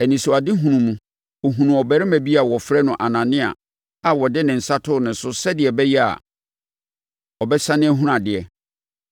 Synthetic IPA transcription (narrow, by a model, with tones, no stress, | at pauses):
ɛ˨nĩ˨sʊ˨a˨dɪ˦ɦũ˨nũ˨mũ˦ | o˨ɦũ˨nũ˨ɔ˨bɛ˨ɾɪ˦mæ̃˨bi˦a˨wɔ˨fɾɛ˦nʊ̃˨ʔa˨nã˨nɪ̃˦a̰˨ | a˨wɔ˨dɪ˦nɪ̃˨n̩˨sa˦tʰʊ˦nɪ̃˨n̩˨sʊ˦sɛ˦dɪ˨ɛ˨bɛ˦jɛ˦a̰˨ | ɔ˨bɛ˦sã˦nɪ̃˦æ˦ɦũ˦ɾã˨dɪ˨ɛ˨